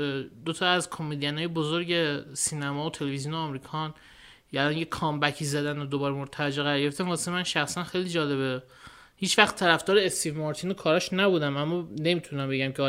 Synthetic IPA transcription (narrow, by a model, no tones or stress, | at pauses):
d̪ot̪ʰɒæzkʰo̞med̪ijænɒːjebozoɾɟe̞siːnæmɒːot̪ʰe̞leviziuneːmɾiːkʰɒn | ælɒːnjekʰɒːmbæcʰiːzæd̪ænod̪obɒːɾemoɾt̪ʰæɾd͡ʒeɣæɾɒːɾɡeeft̪æmvɒːse̥emænʃæxsænxe̞jliːd͡ʒɒːle̞βe | hiːt͡ʃvæxt̪ʰːæɾæfd̪ɒːɾeːst̪ʰiːvmɒːɾt̪ʰiːnokʰɒːɾɒʃnæbuːd̪æmæmːɒne̞mit̪ʰunæmbe̞ɟæmcʰe